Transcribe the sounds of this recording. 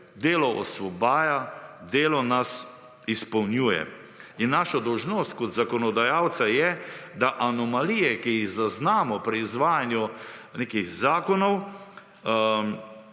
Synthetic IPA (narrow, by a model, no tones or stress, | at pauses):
d̪eːlɔʔɔ̰sʋɔbaːjad̪eːlɔnas | ispɔwnjuːjɛ̰ | inːaʃad̪ɔwʒnoːst̪kɔt̪zakɔnɔd̪ajaw̪sajɛd̪aʔanɔmalijɛkijiɣzaznaːmɔpɾiːzʋaːjanjuneːkixzaːkɔnɔw